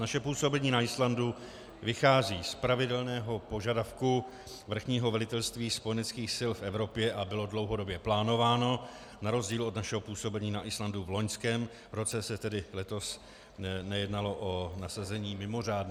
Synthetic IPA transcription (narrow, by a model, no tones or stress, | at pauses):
naʃɛpuːso̞bɛɲiːnaɪslandu | vɪxaːziːspɾavɪdɛlnɛːɦo̞po̞ʒadafku | vr̩xɲiːɦovɛlɪt̪ɛlst̪viːspojɛnɛt͡skiːxsɪlfʔɛvɾo̞pjɛʔabɪlo̞dlo̞wɦo̞do̞bjɛplaːno̞vaːno̞ | naɾo̞zɟiːlo̞d̪naʃɛɦo̞puːso̞bɛɲiːnaʔɪslanduvlo̞ɲskɛːm | ɾo̞t͡sɛsɛt̪ɛdɪlɛt̪o̞s | nɛjɛdnalo̞ʔonasazɛɲiːmɪmo̞raːdn